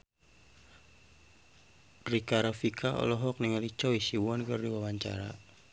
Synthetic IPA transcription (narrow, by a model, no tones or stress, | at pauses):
rikaɾafikʰaɔ̰lɔɦɔk̚niŋəlit͡ʃɔisiwɔnkɨrdiwawaɲt͡ʃa̰ɾa̰